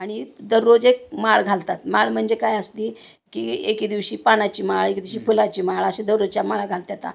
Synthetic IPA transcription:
aɽ̃id̪əɾːod͡zek̚maɭɡʱalt̪at̪maɭm̤əɳd͡zekajəst̪iː | kiekid̪iʋɕiːpaɽ̃at͡ɕiːmaɭekid̪iʋɕiːpulat͡ɕiːmaɭəɕẽd̪əɾod͡zt͡ɕamaɭaɡʱalt̪jat̪a̰

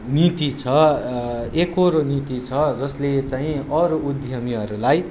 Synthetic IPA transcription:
nit̪it͡sʰʌ | ekoɾonit̪it͡sʰʌd͡zʌslet͡saĩʌɾoʔud̪ʱjʌmiɦʌɾulaj

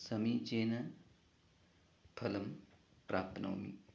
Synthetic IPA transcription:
sɐmit͡ʃeːnɐ | pʰɐlɐm | pɾaːp̪nɐ̰wmḭ

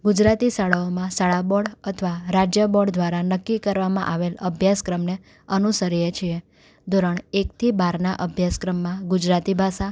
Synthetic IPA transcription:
ɡud͡ʒɾat̪isaɭaomãsaɭabɔɽət̪ʰʋaɾad͡ʒjəbɔɽd̪ʋaɾanəkːikəɾʋamã̰ʔaʋeləbʱjaskɾəmne | ənusəɾijet͡ʃʰie | d̪ʱoɾəɳekt̪ʰibaɾnaʔəbʱjaskɾəmːãɡud͡ʒɾat̪ibʱasa

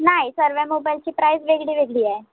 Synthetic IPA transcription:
naisəɾʋɛmobajlt͡ɕipɾajsʋeɡɽiʋeɡɽiɛ

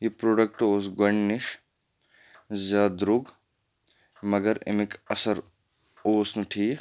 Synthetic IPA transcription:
jipɾoːɖɐk̚ʈoːsɡɐɳɖnɪʃ | zaːd̪ɾʊɡ | mɐɡɐɾɪ̰mɪkɐsɐɾ | oːsnɐʈʰiːk

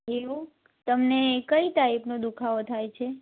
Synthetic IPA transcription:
eʋũ | t̪əmnekəit̪aipnõd̪ukʰaʋot̪ʰajt͡ʃʰe

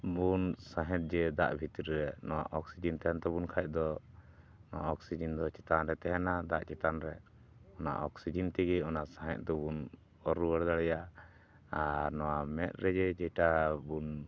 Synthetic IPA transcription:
bunsãɦɛ̃t̪̚ˀd͡ʒɛd̪a̰ʔbʱit̪iɾɾɛnɔwa̰ʔɔksid͡ʒɛnt̪ɛɦɛnt̪ɛbunkʰajc̚d̪ɔ | nɔwa̰ʔɔksid͡ʒind̪ɔt͡ʃɛt̪anɾɛt̪ɛɦɛnad̪aʔt͡ʃɛt̪anɾɛ | ɔna̰ʔɔksid͡ʒint̪ɛɡɛɔnaʔsãɦɛ̰t̪̚d̪ɔbun | ɔɾuwəɽd̪aɽɛja | aɾnɔwamɛt̪̚ˀɾɛd͡ʒɛd͡ʒɛjʈabun

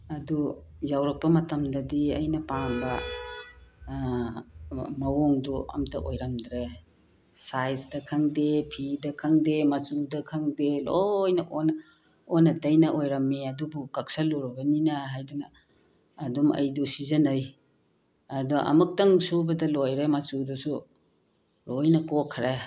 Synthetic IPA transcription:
ɐdu | jawɾɐk̚pɐmɐtɐmdɐdiɐ̰jnɐpambɐ | mɐwoŋduɐ̰mtʰɐ̰ʔojɾɐmd̪ɾe | sajsdɐkʰɐŋdepʰidɐkʰɐŋdemɐt͡ʃudɐkʰaŋdelojnɐʔonɐ | onɐtɐjnɐʔojɾɐmːiɐdubukak̚saloɾɐbɐninaɦajdunɐː | dumɐ̰jdusizɐnaj | ɐdɔʔɐ̰muk̚tɐŋsubɐdɐlojɾemɐt͡ʃudɐsu | lojnɐkokʰɾe

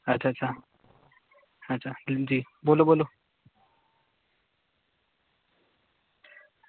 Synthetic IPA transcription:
ətːɕʰaətːt͡ɕʰa | əːt͡ʃʰad͡ʑi | bolobolo

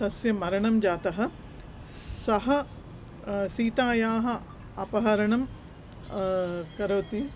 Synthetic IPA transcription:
sɐsjɐmɐɾɐɳɐmd͡ʒaːt̪ɐɦɐ̆ | sɐɦɐ̆ | siːt̪aːjaːɦɐ̆ | ɐpɐɦɐɾɐɳɐm | kɐɾɐːt̪i

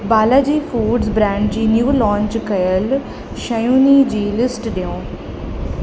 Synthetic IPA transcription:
baːlaːd͡ʑiːfuːɖzbɾɛ̃ːɳɖd͡ʑiːnjuːlɔ̃ːɲt͡ʃkəjəl | ʃəjuːniːd͡ʑiːlɪsʈɖɪõː

